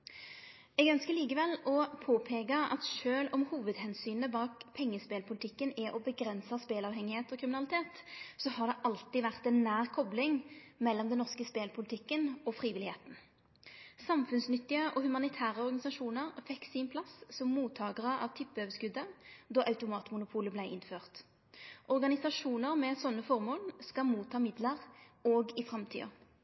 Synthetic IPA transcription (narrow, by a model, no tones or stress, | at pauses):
ɛɡœnskəliːkəʋɛlɔpʰoːpʰeːɡɑɑ̰t̪ʃøːlɔmhuːʋəd̪hɛnsyːnəbɑːkpʰɛŋːəspeːlpʰʊlɪt̪ɪkːənɛʔɔbəɡɾɛnsɑspeːlɑːʋhɛŋːɪheːt̪ɔkʰʁɪmɪnɑlɪt̪ʰeːt̪sɔhɑʁd̪ɛʔɑlt̪ɪʋæʁt̪ɛnːæːʁkʰɔblɪŋmɛlːɔmd̪ɛnɔʁskəspeːlpʰʊlɪt̪ʰɪkːənɔfʁiːʋɪlɪheːt̪n̩ | sɑmfʉnsnʏt̪ːɪəʔɔhʉmɑnɪt̪ʰæːʁəɔʁɡɑnɪsɑʂuːnəʁfɛkːsinpʰlɑssɔmːuːt̪ʰɑːɡəʁəʔɑ̰ʋt̪ʰɪpːəøːʋəskʉd̪əd̪ɔʔɑʉt̪ʊmɑːt̪mʊnʊpʰuːləblæɪʔɪnføːʁt̪ | ʔɔʁɡɑnɪsɑʂuːnəʁmɛsɔnːəfɔʁmoːlskɑmuːt̪ʰːɑːmɪd̪ləʁoːɡɪfʁɑmt̪ʰy̰ːɑ̰